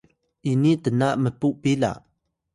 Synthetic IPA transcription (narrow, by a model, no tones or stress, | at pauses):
ʔinitənaʔməpuʔpila̰ʔ